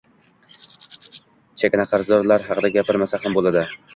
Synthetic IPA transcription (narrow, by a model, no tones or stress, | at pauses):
t͡ʃʰekʲnaqʰɑɾzɒɾlaɾɦɑqɨd̪aɡʲapɪɾmasahambolˠad̪ɪ